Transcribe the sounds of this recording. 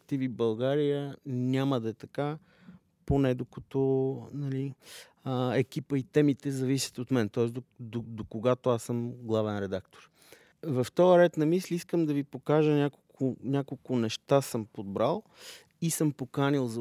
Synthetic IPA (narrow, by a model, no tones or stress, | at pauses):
t̪ivibɐlˠɡaɾijənʲaməd̪ɐɛt̪ɐka | ponɛd̪okɐt̪ɔnɐli | əɛkipəit̪ɛmit̪ɛzɐvisʲə̥t̪ot̪mɛnt̪ɔɛsd̪od̪od̪okoɡat̪oasəmɡlˠavɛnɾɛd̪akt̪o̥ɾ | vɐft̪ɔəɾɛt̪nɐmislʲiiskəmd̪ɐvipokaʒənʲakolˠkʰʊnʲakolˠkʊnɛʃt̪asəmpod̪̚bɾalˠ | isəmpokanilˠz